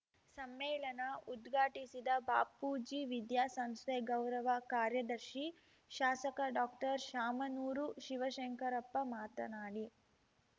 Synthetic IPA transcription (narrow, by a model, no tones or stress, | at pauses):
sɐmːɛːɭɐnɐud̪ɡʱaːʈisid̪ɐba̰ːpːuːd͡ʒiʋid̪jaːsɐmst̪eɡɐwɾɐʋɐkaːɾjɐd̪ɐɾʃi | ʃaːsɐkɐɖaːkʈɐɾʃaːmɐnuːɾuʃiʋɐʃɐŋkɐɾɐpːɐmaːt̪ɐ̰naːɽi